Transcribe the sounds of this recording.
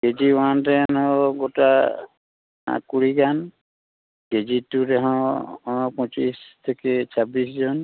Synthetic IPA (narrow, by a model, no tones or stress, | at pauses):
ɡ̥ed͡ʒiantɛnɛɔ̃ɡɔta | kuɹikan | ɡed͡ʒitːutɛɦɔ̃ | pɔ̃t͡ʃistʰekesʰabiszɔn